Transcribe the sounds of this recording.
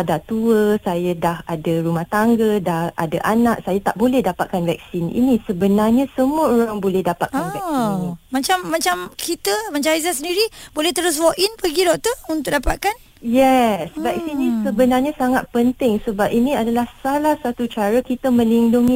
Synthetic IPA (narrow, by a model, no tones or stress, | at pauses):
dat̪uəsajadahadaɾumaht̪aŋɡədaha̰daʔanak̚sajat̪aʔbolɛhdapat̪̚kanvɛk̚sinḭnisəbənarɲasəmuəoɾaŋbolɛhdapat̪̚anvɛknĩmat͡ʃamːat͡ʃamkit̪əmat͡ʃamizasəndiɾibolɛht̪əɾʊs̬wɔʔinpəɡidɔʔ̚t̪əunt̪ʊk̚dapat̪̚kan | jɛsvɛk̚sinisəbənarɲasaŋat̪̚pənt̪ɪŋsəbap̚iniadalahsalahsat̪ut͡ʃaɾəkit̪əmə̃liŋduŋi